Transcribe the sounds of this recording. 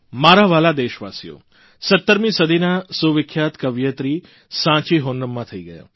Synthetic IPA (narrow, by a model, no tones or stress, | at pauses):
maːɾaʋaːlad̪eːʃʋaːsijo̰ | sət̪ːəɾmĩsəd̪ʱinasuʋɪkʰjaːt̪kəʋjət̪ɾi | sãːt͡ʃiɦoːnːəmːãt̪ʰəiɡəja̰ː